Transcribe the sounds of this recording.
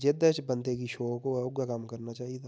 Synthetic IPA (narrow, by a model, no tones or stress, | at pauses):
d͡ʒed̪ət͡ʃbɐnt̪eɡiʃoːkoʊɡakaːmkɐɾnat͡ʃaːɦiet̪ʰa